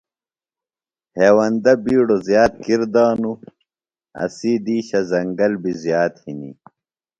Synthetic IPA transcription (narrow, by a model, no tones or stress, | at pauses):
heːwɐnd̪ɐbiːɽozjaːt̪̚kiɾd̪aːnu | ɐ̰siːd̪iːɕɐzɐŋɡɐlbizjaːt̪hinḭ